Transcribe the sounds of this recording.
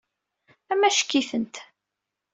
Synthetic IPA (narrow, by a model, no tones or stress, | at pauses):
æmæʃə̥kːiθənt̪